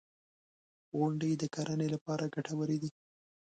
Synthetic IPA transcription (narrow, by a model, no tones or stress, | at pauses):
ɣʊɳɖed̪əkaɾʔanelapɑɾaɡaʈawəɾed̪i